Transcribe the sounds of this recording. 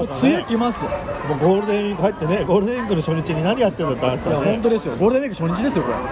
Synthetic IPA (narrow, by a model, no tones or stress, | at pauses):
sɨekʲimasɨjo̰moːɡo̞ːɾɯ̟d̪eɲʲĩŋkɯhait̪ːene̞ɡo̞ːɾɯd̪eɲʲĩŋɡkɯnoɕoːɲ̟ʲit͡ɕɨɲ̟inaɲ̟ijat̪ːend̪at̪ːãsaaõnt̪̬o̞d̪esɨjoɡoːɾɯd̪ẽɲĩŋɡkɯ̥ɕoːɲ̟it͡ɕid̪e̞sɨjokoḛ